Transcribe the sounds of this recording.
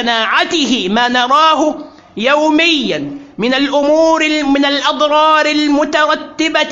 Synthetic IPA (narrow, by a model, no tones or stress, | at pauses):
anaːʕat̪ɪhɪmaːnɑɾˤɑːɦʊ | jawmɪjːanmɪnalʔʊmuːɾɪmɪnalʔɑd̪ˤɾˤɑːɾɪlmʊt̪ɑɾˤɑt̪ːɪba